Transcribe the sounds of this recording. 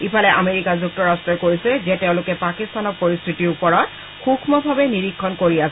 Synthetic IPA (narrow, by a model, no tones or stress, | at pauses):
ipʰalɛʔameɹikazuk̚tɔɹastɹɔkoɹisɛzɛteʊ̃lʊkɛpakistanɔɹpoɹist̪ʰitiɹupɔɹɔt̚ | xukʰmɔbʱabɛniɹikʰːɔnkoɹiasɛ